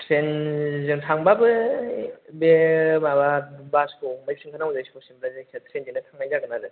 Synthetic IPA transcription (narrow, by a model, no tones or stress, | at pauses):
tʰɾenzɯŋtʰaŋbabɯ | bemababaskʰomajsʰɯŋkʰanawzɯjsɔsimbɾazek̚ʰatʰɾenziŋnɯtʰaŋajzaɡɯnaɾɯ